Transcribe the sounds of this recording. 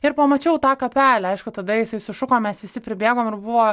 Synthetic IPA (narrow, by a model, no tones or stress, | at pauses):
ɪɾpɐmɐt͡ʃʲɛʊt̪ɑːkɐpʲæːlʲæɐɪʃkʊt̪ɐd̪ɐjɪsɐɪsʊʃʊkoːmʲɛsʋʲɪsʲɪpʲɾʲɪbʲeːɡoːmɪrbʊʋoː